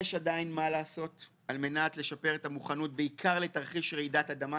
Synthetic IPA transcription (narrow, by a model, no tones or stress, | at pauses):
jeʃadainmalaːso̞t | alme̞natle̞ʃapeʁetamuχanut̚beikʰaʁle̞taʁχiʃʁeidatad̪ama